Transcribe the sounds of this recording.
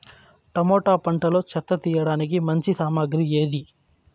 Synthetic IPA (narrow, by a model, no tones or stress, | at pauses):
ʈɐmoːʈaːpɐɳʈɐlo̞ːt͡ʃɐt̪ːɐt̪iːjɐɽaːnik̬imɐɲt͡ʃisaːmaːɡɾie̞ːd̪i